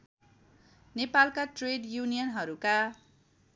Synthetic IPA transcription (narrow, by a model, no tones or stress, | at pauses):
nepalkaʈreɖjunijʌnɦʌɾuka